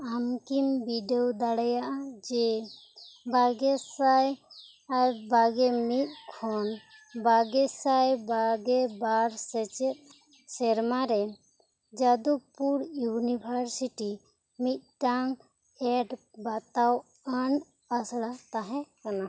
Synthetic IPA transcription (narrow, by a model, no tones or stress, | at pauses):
amkimbiɖɛwd̪aɽajaʔad͡ʒɛ | bʱaɡɛsaj | aɾbaɡɛmit̪̚ˀkʰɔn | baɡɛsajbaɡɛbaɾsɛt͡ʃɛt̪̚ | sɛɾmaɾɛ | d͡ʒad̪upuɾjunibʱaɾsiʈi | mit̪̚ʈaŋ | ɛɖbat̪aw | aɳ | asɽat̪aɦɛ̃kana